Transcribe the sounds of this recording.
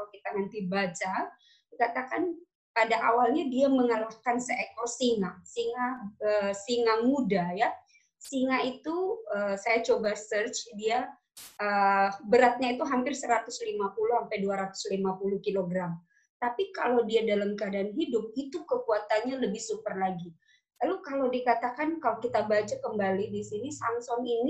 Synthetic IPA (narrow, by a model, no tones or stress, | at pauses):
kit̪anant̪ibat͡ʃa | kat̪akan | padaʔawalɲadiaməŋalahkansəʔekosiŋaʔsiŋaəsiŋamudaja | siŋait̪uəsajat͡ʃobasərt͡ʃdia | ʔəbəɾat̪̚ɲait̪uɦampɪrsəɾat̪ʊslimapuluhampajduaɾat̪ʊ̥slimapuluhkiloɡɾam | t̪apikalowdiadalamkəadaːnɦidʊp̚it̪ukəkuat̪anɲaləbɪhsupərlaɡi | lalokalowdikat̪akankalokit̪abat͡ʃakəmbalidisinisamsɔŋini